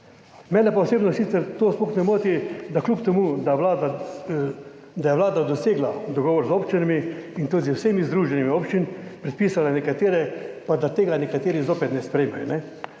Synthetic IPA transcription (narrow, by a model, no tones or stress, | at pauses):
mɛːnɛpaoseːbnɔsit̪sɛɾt̪oːsmoxnɛmoːt̪id̪aklupt̪ɛmuːd̪aʋlaːd̪a | d̪ajɛʋlaːd̪ad̪ɔseːɡlad̪ɔɡɔːʋɔɾzopt͡ʃinamiint̪od̪iwsemizd̪ɾuːʒɛnimioːpt͡ʃinpɾɛt̪̚piːsalanɛkat̪eːɾɛpad̪at̪eːɡanɛkat̪eːɾizoːpɛt̪nɛspɾɛjmajnɛ